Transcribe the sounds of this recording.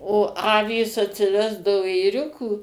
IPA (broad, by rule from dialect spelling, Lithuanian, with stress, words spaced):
oː ˈɑːʋʲiːs ɐtʲsʲɪˈʋʲæːzdɐʋoː eːˈrʲʊkuː